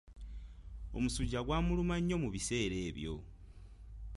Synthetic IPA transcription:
o̞̰musuɟaɡwaːmulumaɲːo̞muβise̞ːɾe̞ːβjo̞̰

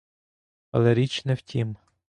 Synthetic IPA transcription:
ɐ̰lˠɛɾʲit͡ʃnɛwtʲʰim

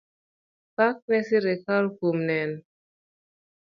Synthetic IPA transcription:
pak̚mɛsiɾekalkumnɛn

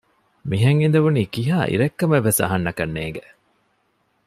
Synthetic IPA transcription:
miɦɐŋind̪ɐʋuniːkiɦaːʔḭɾekːɐmeʋːesɐ̰ɦɐnːɐkɐnːeːŋɡe

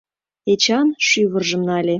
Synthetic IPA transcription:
et͡ɕɑnʃyβə̆rʒə̆mnɑlʲe

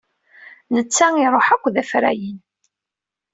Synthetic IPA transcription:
nət͡sːæŋiɾˤoħækʷːðæfɾæ̰jin

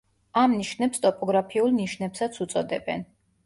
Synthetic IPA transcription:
amniʃnɛpst̪ʼɔpʼɔɡɾapʰiulˠniʃnɛpsat̪sʰut̪sʼɔd̪ɛbɛ̰n

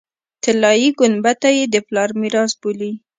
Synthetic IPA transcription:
t̪ɪlɑjiɡʊnbat̪ajed̪əplɑɾmiɾɑsbuli

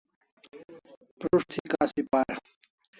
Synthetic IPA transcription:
pɾuʂt̪ʰikaːsipaːɾ

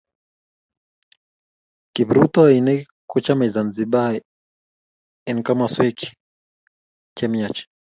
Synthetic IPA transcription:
kibɾut̪ɔinɛ | kut͡ʃamaizanziɓa | ɛnkamaswiki̥ | kɛmiat͡ʃ

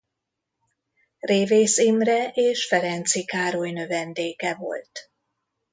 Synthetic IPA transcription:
reːveːsimrɛʔeːʃfɛɾɛnt̪sikaːɾojnøvɛnd̪eːkɛvo̞̰lt̪

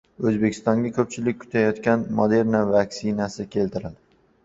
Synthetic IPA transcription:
ɵzbe̞kʲʰɪ̥st̪ɒŋɡʲakʲʰɵp̚t͡ʃʰɪlɪkʲkʰːʊ̥t̪ʰajɒt̪kʲanmod̪e̞ɾnavakʲsɪnasɪkʲʰe̞lt̪ʰɪɾad̪ɪ

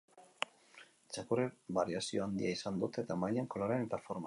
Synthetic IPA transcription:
t͡ʃakurebaɾiasio̞and̪ḭaisand̪ut̪e̞t̪amajeŋko̞lo̞ɾene̞t̪afoɾm

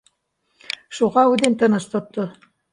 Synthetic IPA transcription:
ʃuʁɑud̪ent̪ɤ̆nɤ̆ʃt̪ŏt̪ːɤ

